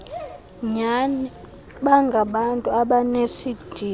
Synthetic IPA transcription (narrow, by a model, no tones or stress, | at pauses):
ɲani | ɓaŋɡʱaɓantʼuaɓanesid̥ʱi